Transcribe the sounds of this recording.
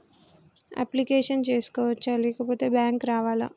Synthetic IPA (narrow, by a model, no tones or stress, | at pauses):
a̰plikeːʂɐnt͡ʃeːsu̥kɔːʋɐt͡ʃːɐlɛːkɐpoːt̪e̞ːbjaːŋkɾaːʋaːla̰